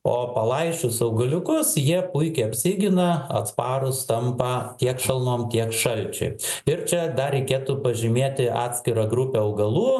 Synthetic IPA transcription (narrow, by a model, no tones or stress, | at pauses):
oːpɐlˠɐɪʃʲʊsɐʊɡɐlʲʊkʊsjiɛpʊɪkʲɛɪɐpʲsʲiːɡʲɪnɐɐ̰t̪spɑːɾʊst̪ɐmpɑt̪ʲiɛkʃɐlˠmoːmt̪ʲiɛkʃɐlʲt͡ʃʲɛ̰ɪɪɾt͡ʃʲɛd̪ɐɾʲɛɪkʲeːt̪uːpɐʒʲɪmʲeːt̪ʲɪʔɑ̰ːt̪ʲsʲkʲɪɾɐɡɾʊpʲeːɐʊɡɐlˠuː